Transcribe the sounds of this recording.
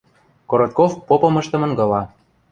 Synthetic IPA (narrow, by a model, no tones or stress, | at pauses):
koɾot̪̚kofpopɤ̆mɤ̆ʃt̪ɤ̆mɤ̆nɡɤ̆lɑ